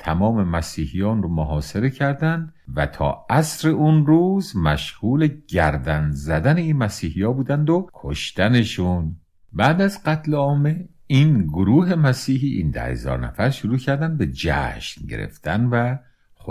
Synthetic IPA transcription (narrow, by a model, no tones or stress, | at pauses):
t̪ʰæmɒːme̞mæsiːhijɒːnromoɦɒːseɾe̞cʰæɾd̪ænd̪ | væt̪ʰɒ̰ːæsɾe̞ʔunɾuːzmæʃhuːleɟæɾd̪ænzæd̪æne̞iːnmæsiːhijɒːbuːd̪ænd̪okʰoʃt̪æne̞ʃun | bæːd̪æzɢæt̪ʰleɒːme | iːnɡoɾuːɦe̞mæsiːɦiːʔḭːnd̪æ̰he̞̰zɒ̰ːɾnæ̰fæɾʃoɾuːcʰæɾd̪ænd̪be̞d͡ʒæ̰ʃnɟe̞̰ɾḛft̪ænvæ | xo